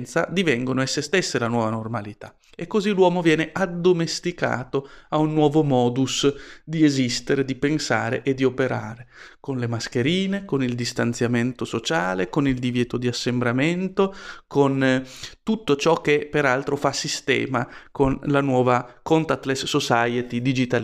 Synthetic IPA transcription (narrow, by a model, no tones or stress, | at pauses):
nt̪sad̪ivɛŋɡonoesːest̪esːelanwɔːvanormalit̪a̰ | ekːozilwɔːmovjɛːneʔad̪ːomest̪ika̰ːt̪oaunːwɔːvomɔːd̪usd̪iezist̪eɾed̪ipensaːɾḛʔed̪ːiopeɾaːɾekonlemask̟eɾiːnekonild̪ist̪ant̪sjament̪osot͡ʃaːlekonild̪ivjɛːt̪od̪iasːembɾament̪okont̪ut̪ːot͡ʃɔk̟ːepeɾalt̪ɾofasist̪ɛ̰ːmakonlanwɔːvakont̪at̪ːlesːosajet̪id̪id͡ʒit̪al